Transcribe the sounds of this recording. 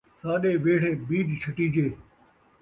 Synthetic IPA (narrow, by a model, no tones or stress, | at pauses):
saːɗeːʋeːɽ̤eːbiːd͡ʒt͡ʃʰɐʈiːd͡ʑeː